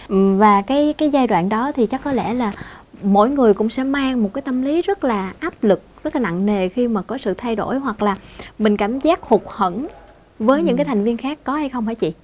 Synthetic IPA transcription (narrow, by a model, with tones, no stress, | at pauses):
ʔvaː˨˩kaː˨˦jkaː˨˦jzaː˧jɗwa̰ː˧˨nɗɔ˨˦t̪ʰi˨˩t͡ɕa˦˥kːɔ˨˦lɛ̰˧˩laː˨˩mo̰˧˥˨jŋɨ˨˩əjkʊ̰˧˥ŋ͡msɛ̰˧˥maː˧ŋmo˨˩t̚kaː˨˦jt̪ə˧mli˨˦zə˦˥t̚laː˨˩ʔaː˦˥p̚lɨ˨˩k̚zə˦˥t̚laː˨na̰˧˨ŋŋe˨˩xi˧maː˨˩kɔ˨˦sɨ̰˧˨t̪ʰa˧jɗo̰˧˩jhwa˨˩k̚laː˨˩mï˨˩ŋ̟kaː˧˩mzaː˦˥k̚hʊ˨˩k͡p̚hə˧˩n | vəː˨˦jɲɨ̰˧˥ŋkːaː˨˦jt̪ʰa˨˩ŋ̟vi˧ənxaː˦˥kːɔ˨˦ha˧jxə˧wŋ͡mhaː˧˩jt͡ɕḭ˧˨